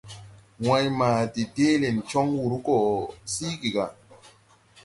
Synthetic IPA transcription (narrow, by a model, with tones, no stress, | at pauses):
wa˦jma˨di˨deː˦le˨nt͡ʃɔ˦ŋwu˨ɾu˦kɔ˨siː˦ɡi˨ɡa˨